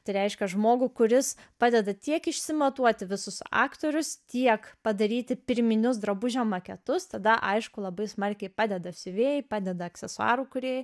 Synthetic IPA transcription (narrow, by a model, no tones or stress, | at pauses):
t̪ɐɪɾʲɛɪʃʲkʲɛʒmoːɡʊkʊɾʲɪs | pɑːd̪ʲɛd̪ɐt̪ʲiɛkɪʃʲsʲɪmɐt̪uɔt̪ʲɪʋʲɪsʊsɑ̰ːkt̪oːɾʲʊst̪ʲiɛkpɐd̪ɐɾʲiːt̪ʲɪpʲɪɾʲmʲɪnʲʊs̬d̪ɾɐbʊʒʲɛmɐkʲɛt̪ʊst̪ɐd̪ɐʔɐɪʃkʊlˠɐbɐɪsmɐɾʲkʲɛɪpɑːd̪ʲɛd̪ɐsʲʊʋʲeːjɪpɑːd̪ʲɛd̪ɐɐksʲɛsʊɑ̰ːɾuːkʊɾʲeːj